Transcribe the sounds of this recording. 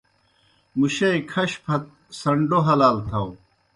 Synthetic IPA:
muɕɐikʰɐɕpʰɐt̪̚ | sɐɳɖoɦɐlaːlt̪ʰɐw

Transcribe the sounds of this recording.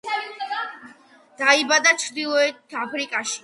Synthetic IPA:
d̪̥aibad̪at͡ʃʰɾd̪ilˠɔɛt̪ʰapʰɾikʼaʃi̥

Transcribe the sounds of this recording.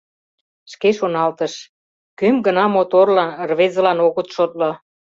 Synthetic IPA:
ʃkeʃonɑlt̪əʃ | kømɡə̆nɑmot̪orlɑnrβezə̆lɑnoɣət̪ʃot̪̚lo

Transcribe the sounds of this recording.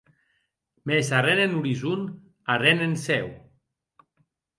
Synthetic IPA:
mesarenenuɾizun | arenensɛw

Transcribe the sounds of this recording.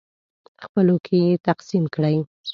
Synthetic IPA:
xpəlokʰejet̪aqsimkɽəj

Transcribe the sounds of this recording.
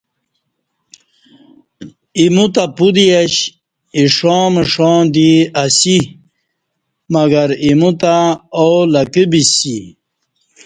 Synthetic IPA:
imut̪apud̪iaɕ | iʂõːmeʂõːd̪iasi | mɐɡɐɾimut̪aolɐkibisi

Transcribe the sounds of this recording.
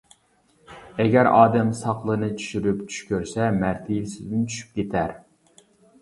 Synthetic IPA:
ɛɡʲæɾɑːd̪ɛmsɑqlˠənɨt͡ʃʰy̥ʃyɾypt͡ʃʰy̥ʃkʲøɾsɛmæɾt̪ʰɪlsɪzd̪ɪnt͡ʃʰy̥ʃy̥p̚kʲet̪ʰæɾ

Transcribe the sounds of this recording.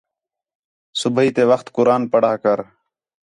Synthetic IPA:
sʊbʱəiːt̪eːʋəxt̪kʊɾaːnpəɽaːkəɾ

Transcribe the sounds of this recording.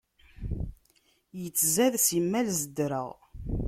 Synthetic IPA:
jət͡sːzæðsimːælzəd̪ɾə̰ʁ

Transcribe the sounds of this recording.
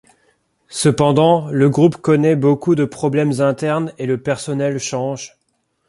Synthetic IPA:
səpɑ̃d̪ɑ̃ləɡʁupkɔnɛbokud̪əpχɔblɛmzɛ̃t̪ɛʁneləpɛʁsɔnɛlʃɑ̃ʒ

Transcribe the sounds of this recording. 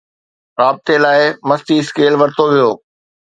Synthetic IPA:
ɾaːb̚ɪt̪elaːɪmɐst̪iskeːlʋɐɾt̪oʋijoː

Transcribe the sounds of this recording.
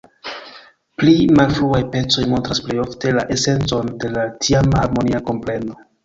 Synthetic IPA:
plimalfɾuajpe̞t͡so̞jmo̞ntɾasplejo̞fte̞la̰ʔe̞se̞nt͡so̞nde̞latʰiamhaɾmo̞niako̞mple̞no̞

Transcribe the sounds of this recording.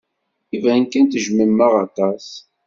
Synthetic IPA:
ivænkænt̪ʒməmːəʁɑt̪ˤɑs

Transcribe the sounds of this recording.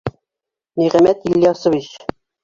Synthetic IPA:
niʁæmæt̪ilːiɑsɤ̆vit͡ɕ

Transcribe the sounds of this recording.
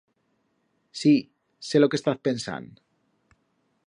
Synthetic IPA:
si | selokest̪aθpensa̰n

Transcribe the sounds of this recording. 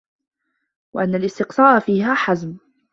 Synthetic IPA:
waʔanːalʔɪst̪ɪqsˤɑːʔfiːɦaːħazm

